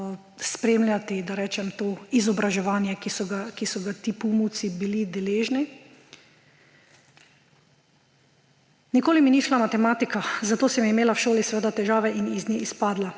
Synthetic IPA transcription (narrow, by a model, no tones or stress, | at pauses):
spɾemljat̪id̪aɾɛːt͡ʃɛmt̪oːizɔbɾaʒɛʋaːnjɛkisɔɡakisɔɡat̪iːpumuwt̪sibilid̪ɛleːʒni | nikoːliminiʃlamat̪ɛmaːt̪ikazat̪oːsɛmimeːlawʃoːlisɛʋeːd̪at̪ɛʒaːʋɛʔiniznʲiispaːd̪la